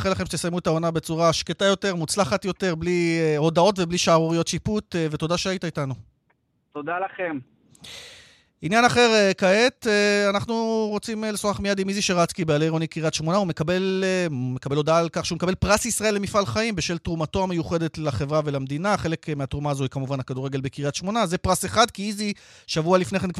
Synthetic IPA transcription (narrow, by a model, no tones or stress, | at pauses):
χelaχemʃet̪esajmuetao̞nabet͡suʁaʃketajo̞te̞ʁmut͡slaχat̪jo̞te̞ʁblio̞d̪ao̞tve̞bliʃaaʁoʁijo̞tʃiput̪ve̞to̞daʃeajitaitanu | t̪od̪alaχem | injanaχe̞ʁekae̞t̪eanaχnuʁo̞t͡simlesoʁaχmijad̪imiziʃeʁat͡skibealejʁonikiʁiatʃmo̞naume̞kabe̞lmekabe̞lo̞daalkaχʃeumekabe̞lpʁasisʁae̞lːe̞mifalχaimbeʃe̞ltʁumato̞amejuχe̞de̞tlaχevʁave̞lamd̪inaχe̞le̞kmeatʁumaːzohikamuvanhakaduʁeɡe̞lbekiʁiat̪ʃmo̞naze̞pʁaseχad̪kiizi | ʃavualifneχe̞nkv